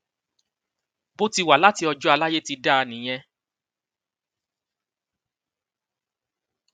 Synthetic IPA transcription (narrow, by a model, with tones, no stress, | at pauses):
bo˦ti˧wa˨la˦ti˧ɔ˧d͡ʒɔ˦a˧la˦je˦ti˧da˦a˧nĩ˨j̃ɛ̃˧˦